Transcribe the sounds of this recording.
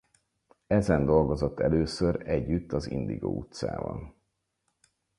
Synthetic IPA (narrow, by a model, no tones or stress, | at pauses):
ɛzɛnd̪o̞lɡo̞zo̞t̪ːɛløːsøɾɛɟːyt̪ːɒzḭnd̪iɡo̰ːut̪sa̰ːvɒ̰n